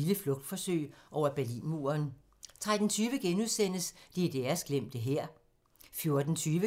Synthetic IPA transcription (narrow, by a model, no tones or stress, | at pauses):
iləflɔ̽ɡ̥̚d̥fɒ̽søɪ̰ʔɒʊ̰ɐb̥æɐlḭːnmṵːɐn | t͡sʰʁad̥n̩t͡sʰyːʋəɡ̥enuðˠsen̰əslid̥eɐsɡ̥lem̰d̥əɦeɐ̰ | fjo̝ɐd̥n̩t͡sʰyːʋə